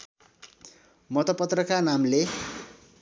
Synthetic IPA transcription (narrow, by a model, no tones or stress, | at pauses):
mʌt̪ʌpʌt̪rʌkanamle